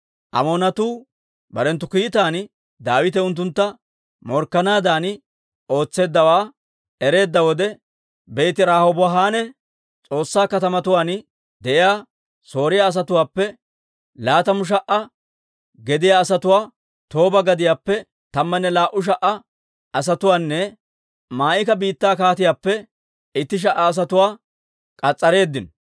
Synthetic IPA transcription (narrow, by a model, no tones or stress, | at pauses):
ʔɐ̰moːnɐt̪uː | bɐɾɛnt̪ːʊkiːt̪aːn | d̪aːwɪt̪̬ɛʊnt̪̬ːʊnt̪ːɐ | mɔɾkːɐnaːd̪aːn | o̞ːt͡sːe̞ːd̪ːɐwaː | ɛɾe̞ːd̪ːɐwɔd̪ɛ | bɛjt̪ɪɾaːhobɦaːnɛ | t͡sʼo̞ːsːaːkɐt̪ɐmɐt̪ʊwaːn | d̪ɛʔɪjaː | so̞ːɾɪjaːs̬ɐt̪ʊwaːpːɛ | laːt̪ɐmʊʃ̬ɐʔɐ | ɡɛd̪ɪjaːsɐt̪ʊwaː | t̪o̞ːbɐɡɐd̪ɪjaːpːɛ | t̪ɐmːɐnːɛlaːʔʊʃ̬ɐʔɐ | ɐs̬ɐt̪ʊwaːnːɛ | maːʔɪkɐbiːt̪ːaːkaːt̪ɪjaːpːɛ | ɪt̪ːɪʃ̬ɐʔɐːs̬ɐt̪ʊwaː | kʼɐt͡sʼːɐɾe̞ːd̪ːɪn